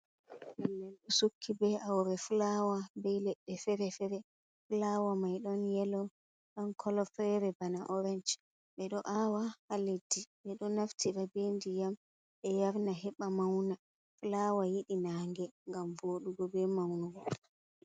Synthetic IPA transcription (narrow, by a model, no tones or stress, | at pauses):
mɛnːɛlɗusukʰːibɛawɾɛfulawabɛjlɛɗːɛfɛɾɛfɛɾɛ | fulawamajɗɔnjɛlɔ | ɗɔnkʰɔlɔfɛɾɛbanaʔɔɾɛnd͡ʒ | ɓɛɗɔʔawaalediɓɛɗɔnaftʰiɗabendijam | ɓɛjaɾnaɦɛɓamawna | fulawajiɗinaŋɡɛŋɡamvoɗuɡɔbɛmawnuɡɔ